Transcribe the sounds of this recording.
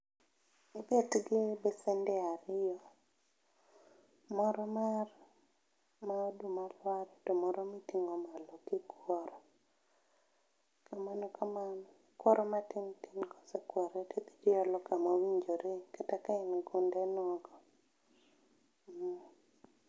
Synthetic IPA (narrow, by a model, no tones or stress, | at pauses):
ibɛtɡɪbɛsɛndɛaɾɪjɔ | mɔɾɔmar | maodumalwaɾɛtɔmɔɾɔmitiŋɔmalɔkikwɔɾɔ | kamanɔkʰaman | kwɔɾɔmatɪntɪnkɔ̥sekwɔɾetet̪i̥d͡ʒiɔlɔkamawiɲd͡ʒoɾekatakaɛnɡundenɔɡɔ